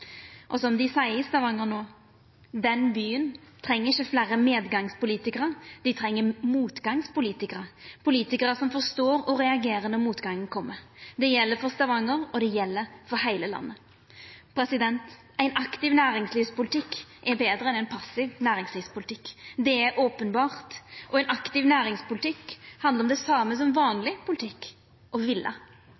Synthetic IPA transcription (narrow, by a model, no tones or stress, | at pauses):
ʔɔsɔmd̪ɪsæɪɪst̪ɑʋɑŋːəɾnoː | d̪ɛnbyːənt̪ʰɾɛŋːəɾɪçːəflæːɾəmeːd̪ɡɑŋspʊliːt̪ɪkəɾəd̪ɪt̪ʰɾɛŋːəmuːt̪ɡɑŋspʊliːt̪ɪkəɾəpʰʊliːt̪ɪkəɾəsɔmfɔɾst̪oːɾɔɾɛɑɡeːɾənɔɾmuːt̪ɡɑŋːən̩kʰɔmːəd̪ɛjɛlːəɾfɔst̪ɑʋɑŋəɾɔd̪ɛjɛlːəɾfɔɾɦæɪləlɑ̰nːə | pʰɾɛsɪd̪ɛnt̪ | æɪnʔɑkt̪ɪʋnæːɾɪŋsliːʋspʊlɪt̪ʰɪkːʔɛbeːd̪ɾəɛnæɪnpʰɑsɪʋnæːɾɪŋsliːʋspʊlt̪ʰɪkːd̪ɛæɾʔoːpənbɑːʁt̪ʔɔæɪnʔɑkt̪ɪʋnæːɾɪŋspʊlɪt̪ʰɪkːhɑnd̪əɾɔmd̪ɛsɑːməsɔmʋɑːnlɪpʊlɪt̪ʰɪkː | ʔɔʋɪlːʔə̰